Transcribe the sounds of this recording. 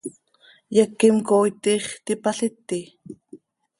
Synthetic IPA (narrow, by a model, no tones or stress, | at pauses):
jakimkoːjt̪iːχt̪ipaɬit̪ːi